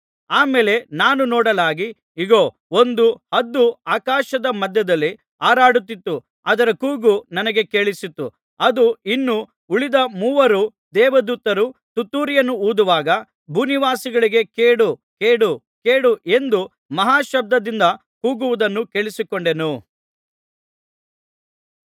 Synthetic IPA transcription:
aːmeːle̞naːnunɔːɽɐlaːɡi | iɡoː | ond̪uhɐd̪ːuaːkaːʃɐd̪ɐmɐd̪ʱjɐd̪ɐlːi | aːɾaːɽut̪ːit̪ːu | ɐd̪ɐɾɐkuːɡunɐnɐɡe̞keɭisit̪ːu | ɐd̪uinːu | uɭid̪ɐmuːʋɐɾud̪ɛːʋɐd̪uːt̪ːɐɾut̪ut̪ːuːɾjɐnːuuːd̪uʋaːɡɐ | bʱuːniʋaːsiɡɐɭiɡe̞keːɽukeːɽu | keːɽuʔe̞nd̪u | mɐɦaːʃɐb̚d̪ɐd̪ind̪ɐ | kuːɡuʋud̪ɐnːuke̞ɭisikoɳɖe̞nu

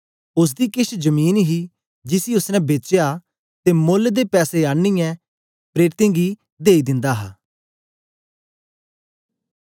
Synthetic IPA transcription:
ʊs̬d̪iːkɪʃd͡ʒəmiːnɦi | d͡ʒɪsiʊsnɛ̃beːt͡ʃeja | t̪eːmoːld̪eːpɛːseaːɽ̃ijɛ̃ː | pɾeːɾɪt̪ẽːɡiː | d̪eːid̪ɪ̃nd̪aːɦa̰ː

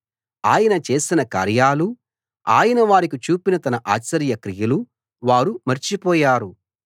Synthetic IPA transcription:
aːjɐnɐt͡ʃe̞ːsinɐka̰ːɾjaːlu | a̰ːjɐnɐʋaːɾikit͡ʃuːpinɐt̪ɐnɐʔaːt͡ʃːɐɾjɐkɾijɐlu | ʋaːɾumɐɾt͡ʃipɔːjaːɾu

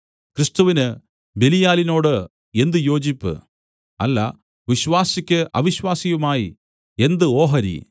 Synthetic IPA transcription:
krist̪uʋinɨ | be̞lijaːlino̞ːɽɨ | e̞nd̪ɨjo̞ːd͡ʑipːɨ̰ | ɐlːɐ̰ | ʋiɕʋaːsikʲːɨʔɐʋiɕwaːsijumaːji | e̞nd̪ɨo̞ːɦɐɾḭ

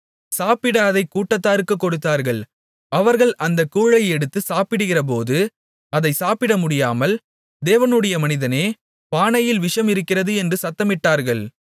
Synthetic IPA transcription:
saːpɪɽɐɐðɐɪkuːʈːɐt̪ːaːɾɯkːɯkːɔɽɯt̪ːaːɾɣɐɭ | ɐʋɐɾɣɐɭʔɐnd̪ɐkːuːɻɐɪɛɽɯt̪ːɯsaːpɪɽɯɣɪrɐp̬oːðɯ | ɐðɐɪsaːpɪɽɐmʊɽɪjaːmɐl | d̪eːʋɐnɯɽɐjɐmɐnɪðɐneː | paːɳɐjɪlʋɪʂɐmɪɾɯkːɪrɐðɯɛndrɯsɐt̪ːɐmɪʈːaːɾɣɐɭ

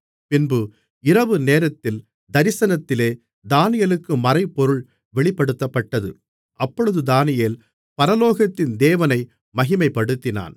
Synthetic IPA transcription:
pɪnbɯ | ɪɾɐʋɯneːɾɐt̪ːɪl | d̪ɐɾɪsɐnɐt̪ːɪleː | d̪aːnɪjɐlɯkːɯmɐɾɐɪpːɔɾɯɭ | ʋɛɭɪpːɐɽɯt̪ːɐpːɐʈːɐðɯ | ʔɐpːɔɻɯðɯd̪aːnɪjeːl | pɐɾɐloːɣɐt̪ːɪnd̪eːʋɐnɐɪ | mɐɣɪmɐɪpːɐɽɯt̪ːɪna̰ːn

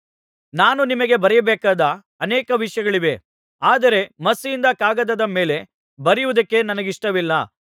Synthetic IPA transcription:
naːnunimɐɡe̞bɐɾɛjɐbɛːkaːd̪ɐː | nɛːkɐʋiʂjɐɡɐɭiʋe̞ | aːd̪ɐɾe̞mɐsijind̪ɐkaːɡɐd̪ɐd̪ɐme̞ːle̞ | bɐɾijuʋud̪ɐkːe̞nɐnɐɡiʂʈɐʋilːɐ

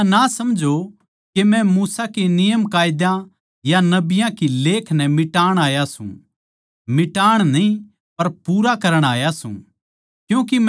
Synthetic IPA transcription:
nasɐmd͡ʒo | kemɛ̃muːsakenɪjəmkaːjd̪jã | janɐbɪjãkileːkʰnɛmɪʈaːɽ̃aːjasṵ̃ | mɪʈaːɽ̃nɐĩ | pɐɾpuːɾakɐɾəɽ̃aːjasṵ̃ | kjũːk̬im

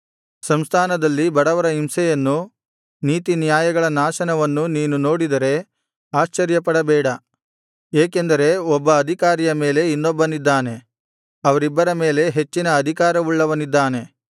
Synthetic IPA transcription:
sɐmst̪ʰaːnɐd̪ɐlːibɐɽɐʋɐɾɐimsɛjɐnːu | niːt̪inijaːjɐɡɐɭɐnaːʃɐnɐʋɐnːuniːnuno̞ːɽid̪ɐɾe̞ | aːʃt͡ʃɐɾjɐpɐɽɐbɛːɽɐ | eːke̞nd̪ɐɾe̞ɔbːɐːd̪ʱikaːɾijɐme̞ːle̞inːɔbːɐnid̪ːaːne̞ | ɐʋɐɾibːɐɾɐme̞ːle̞ɦe̞t͡ʃːinɐːd̪ʱikaːɾɐʋuɭːɐʋɐnid̪ːaːne̞

